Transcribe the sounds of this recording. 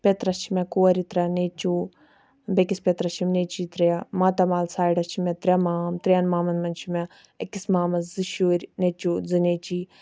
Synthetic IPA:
pʲet̪ɾɐst͡ʃʰimekoːɐɾit̪ɾʲɐnet͡ʃoː | bekispʲet̪ɾɐʃt͡ʃʰimneːt͡ʃiːt̪ɾɐamaːt̪ɐmaːlsaːiɖɐst͡ʃʰimɛt̪ɾʲɐmaːmt̪ɾʲiɐnmaːmɐnmɐnt͡ʃʰime | ɐkismaːmɐszɨʃoːɾʲnet͡ʃoːd͡zɨneːt͡ʃiː

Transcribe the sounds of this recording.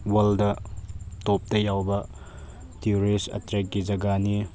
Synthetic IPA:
wɐldɐtop̚tɐjawbɐ | tijuɾisɐ̰tɾek̚ɡid͡ʒɐɡani

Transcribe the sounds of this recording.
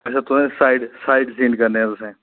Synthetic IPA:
ɛːsat̪ʊsẽsaːɪɖsaːɪɖsĩːɳɖkɐɾneɦɛ̃t̪ʊsɛ̃ː

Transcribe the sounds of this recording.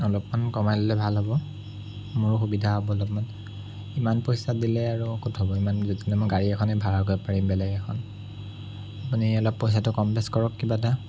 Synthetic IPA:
ɔlɔpmankɔmajlɔlɛbʱalɦɔbɔ | mʊɹxubidʱaɦɔbɔɔlɔpman | imanpɔjsadilɛaɹuɔkutɦɔbɔimanzodinɛmɔɡaɹiɛkʰɔnɛbʱaɹaɡojpaɹimbɛlɛɡɛkʰɔn | apuniɔlɔpːɔjs̬atʊkɔmplɛskɔɹɔkːibat̬a

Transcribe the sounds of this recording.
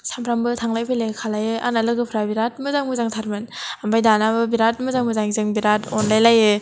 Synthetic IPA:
sampʰɾambɯtʰaŋlajpʰɯjlakʰalajɯʔa̰nalɯɡɯpʰɾabiɾat̚mɯzaŋmɯzaŋtʰaɾmɯnambajdanabɯbiɾat̚mɯzaŋmɯzaŋzɯŋbiɾatɔnlajlajɯ

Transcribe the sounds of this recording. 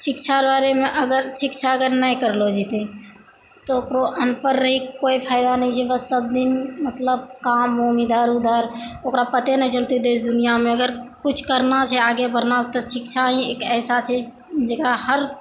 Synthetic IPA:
sɪkt͡ʃʰaɾbaɾemeʔəɡəɾsikt͡ʃʰaəɡəɾnəjkəɾlod͡ʒit̪e | t̪ɔokɾoʔənpəɾːəɦikoipʰaːɪd̪anəĩt͡ʃʰɛbəsəb̚d̪inmət̪ləb̚kamomid̪aɾud̪ʱaɾokɾapət̪enɛ̃t͡ʃəlt̪id̪et͡ʃʰd̪ʊnijamẽəɡəɾkut͡ʃʰkəɾnat͡ʃʰɛaɡebəɾnat͡ʃʰɛt̪ɔsikt͡ʃʰaĩekɛːsat͡ʃʰɛ | d͡ʒekɾahəɾ

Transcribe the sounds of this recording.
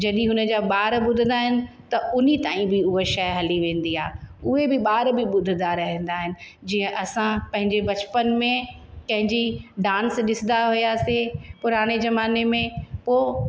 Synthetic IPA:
d͡ʑɐɗĩɦʊnə̆d͡ʑaːɓaːɾɓʊd̪ʱɪnd̪aːɦɪnɪ̆t̪ɐʊnit̪aːĩbɪʊɦeʃɐjɦɐliʋẽːn̆d̪iaːʊɦebɪɓaːɾbɪɓʊd̪ʱɪd̪aɾɐɦẽːn̆d̪aːɦɪnɪ̆ | d͡ʑiːə̃ʔɐsãpɐ̃ɦɪ̃ɲd͡ʑebɐt͡ɕpənmẽpɐ̃ɦɪ̃ɲd͡ʑiɖãːnsɗɪsɪ̃nd̪aɦʊjaːsepʊɾaːɽ̃ezɐmaːnemẽpoː

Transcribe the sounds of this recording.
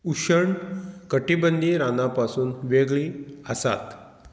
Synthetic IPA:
uɕəɳkəʈibənd̪ʱiːɾanapasuːnʋeɡɭiːəsa̰t̪

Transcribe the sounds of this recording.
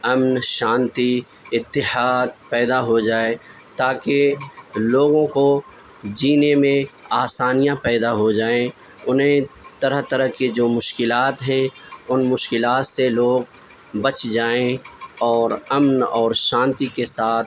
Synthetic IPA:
ɐmnʃãːnt̪i | ɪt̪ːɪhaːd̪̚pɛːd̪aɦod͡ʒaːe | t̪aːkeloːɡõko | d͡ʒiːnemẽaːsaːnijãpɛːd̪aɦod͡ʒaːẽ | ʊnɦẽt̪ɐɾəɦt̪ɐɾəɦked͡ʒoːmʊʃkɪlaːt̪ɦɛ̃ʊnmʊʃkɪlaːt̪seloːɡ̚ | bɐt͡ʃd͡ʒaːẽɔːɾɐmnɔːɾʃãːnt̪ikesaːt̪ʰ

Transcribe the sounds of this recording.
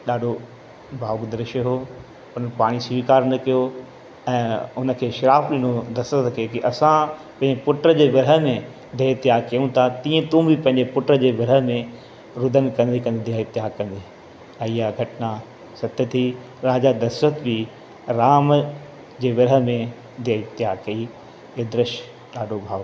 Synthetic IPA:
ɗaːɖʱo | baːʋʊkd̪ɐɾɪʃəɦo | ʊnəpaːɽ̃isiːkaːɾnɐkijo | ɛ̃ːʊnə̆kʰeːʃɪɾaːfɗĩːnod̪ɐsət̪kʰeːkiʔɐsãpɐ̃ɦɪ̃ɲd͡ʑepʊʈɾəd͡ʑeːʋɪɾɦəmẽ | d̪ʱeɪt̪ɪjaːkijũt̪ʰat̪ĩːẽt̪ũbɪpɐ̃ɦɪ̃ɲd͡ʑepʊʈɾəd͡ʑeːʋɪɾɦəmẽ | ɾʊd̪ənkɐ̃nd̪ikɐ̃nd̪d̪iaɪt̪ɪjaːkɐ̃nd̪eː | ijaɡʱɐʈna | sɐt̪ət̪ʰi | ɾaːd͡ʑad̪ɐsət̪bi | ɾaːm | d͡ʑeːʋɪɾɦə̆mẽ | d̪ʱaɪt̪ːɪjaːkɐi | eːd̪ɾɪʃ | ɗaːɖʱobʱaːʋ

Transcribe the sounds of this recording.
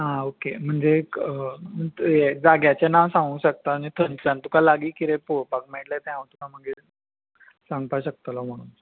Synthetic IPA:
ɦãokem̤əɳd͡zeəət̪ed͡zaɡjat͡ɕanaʋsãŋɡuːɕək̚t̪ant̪ʰənlãnt̪ukʰalaɡiːkiɾepoɾpakmeʈlajt̪jãʋət̪ukaməɡe | sãŋɡt̪aɕək̚t̪alɔm̤əɽ̃un

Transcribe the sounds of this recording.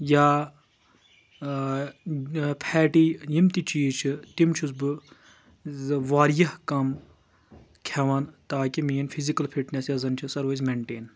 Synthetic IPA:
jaː | pʰɛːʈiːjimt̪it͡ʃiːt͡ʃʰit̪imt͡ʃʰuzbɨ | ʋaːɾjɐhkɐm | kʲʰɐʋɐnt̪aːkimiːnpʰizikɐlpʰiʈnʲesjɐzɐnt͡ʃʰisɐɾʋozmeːɳʈeːn

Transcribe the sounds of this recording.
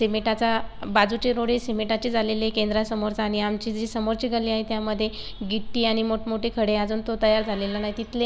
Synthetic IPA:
semeʈat͡sabad͡zut͡ɕeɾoɽesemeʈat͡ɕid͡zʱalelekend̪ɾasəmoɾt͡saːɽ̃iamt͡ɕiːd͡ʑisəmoɾt͡ɕiːɡəliaɦet̪jaməd̪ʱːje | ɡiʈːiːaɽ̃imoʈmoʈekʰəɽead͡zuːnt̪ot̪əjaɾd͡zʱalelanaɦjt̪it̪ʰle

